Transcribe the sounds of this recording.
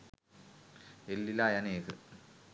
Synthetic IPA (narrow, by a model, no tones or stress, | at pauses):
elːilaːjaneːkɨ